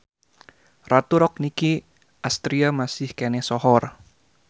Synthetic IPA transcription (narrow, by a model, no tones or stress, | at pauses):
rat̪uɾɔk̚niki | ʔast̪ɾiamasɪhkenɛsɔhɔr